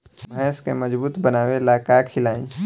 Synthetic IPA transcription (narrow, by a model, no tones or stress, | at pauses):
mɦɛːskemɐd͡ʒbuːt̪bənaːwelaːkakʰɪlaːĩ